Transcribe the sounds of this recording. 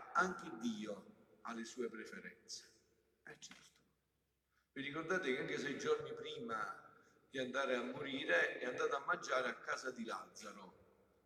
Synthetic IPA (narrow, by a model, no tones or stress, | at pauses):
aŋked̪ːiːoalːesuːepɾefeɾɛ̰nt̪se̥ | ɛt͡ʃːɛrt̪o̥ | virːikɔrd̪aːt̪ɪkaŋkes̬ɛjd͡ʒɔrnipɾiːma | d̪̥iand̪aːɾeamːoɾiːɾeɛand̪aːt̪aamːand͡ʒaːɾeakːaːzad̪ila̰d̪zːaɾo